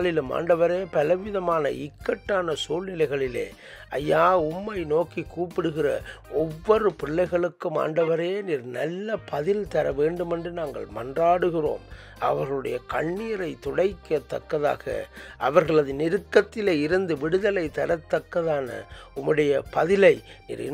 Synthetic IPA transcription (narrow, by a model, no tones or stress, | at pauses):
ɭɪlma̰ːɳɖɐʋɐɾeːpɐlɐʋɪðɐmaːnɐ̰ʔɪkːɐʈːaːnɐsuːlnɪlɐɪɣɐɭɪlḛː | ɐjːaːʊmːɐɪnoːkikuːpːɪɽɯɣɪrɐ̰ɔʋːɔrɯpɪɭːɐɪɣɐɭɯkːɯma̰ːɳɖɐʋɐɾeːniːɾnɐ̰lːɐpɐðɪlt̪ɐɾɐʋeːɳɖɯmɛndrɯnaːŋɡɐ̰ɭmɐndraːɽɯɣɪro̰ːm | ɐ̰ʋɐɾɣɐɭɯɽɐ̰jɐkɐɳːijɐɾɐɪt̪ɔɽɐɪkːɐt̪ːɐkːɐða̰ːɣɐ̰ʔɐ̰ʋɐɾɣɐɭɐðɯnɪɾɯkːɐt̪ːɪleːɪɾɯnd̪ɯʋɪɽɯðɐlɐɪt̪ɐɾɐt̪ːɐkːɐðaːnɐ̰ʊmːɯɽɐjɐpɐðɪlɐɪnḭːɾɪ̰